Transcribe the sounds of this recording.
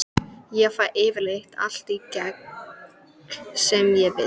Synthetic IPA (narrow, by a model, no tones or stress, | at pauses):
jɛfaʔeːvɪɾleht̪ʰa̰l̥t̪icɛk | sɛmjɛvɪ̰